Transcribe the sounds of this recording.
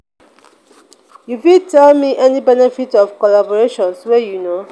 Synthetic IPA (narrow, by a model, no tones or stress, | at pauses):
jufĩtʰɛlmiʔɛnibɛnɛfitɔfkɔlabɔɹeʃɔ̃nswɛjuno